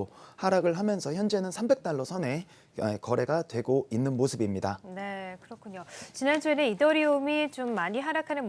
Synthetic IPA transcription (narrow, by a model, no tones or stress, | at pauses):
haɾaɡɯɭɦamjʌnsʰʌçjʌnd͡ʑe̞nɯnsʰambe̞k̚t͈aɭːʌsʰʌne̞ | kʌɾe̞ɡatwe̞ɡoinːɯnmosʰɯbimɲidane̞kɯɾʌkʰuɲot͡ɕinant͡ɕʰoiɾe̞idʌɾiumit͡ɕomːaɲiɦaɾakʰanɯn